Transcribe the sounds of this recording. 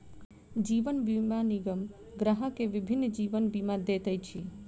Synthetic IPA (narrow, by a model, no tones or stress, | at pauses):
d͡ʒiʋənbimaniɡəm | ɡɾəɦəkeʋibʱinːd͡ʒiʋənbimad̪et̪əjt͡ʃʰi